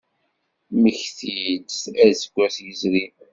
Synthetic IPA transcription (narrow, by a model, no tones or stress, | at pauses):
məçθid̪sæðsə̥ɡʷːæsjəzɾi